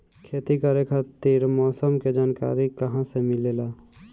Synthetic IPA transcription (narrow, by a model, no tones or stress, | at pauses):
kʰeːt̪ikaːɾekʰaːt̪iɾmɔːsəmked͡ʒaːnka̰ːɾikəɦãsemɪleːlaː